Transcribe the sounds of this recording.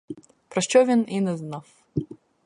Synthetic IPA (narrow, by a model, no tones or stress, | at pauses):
pɾɐʃt͡ʃɔvʲininɛznaf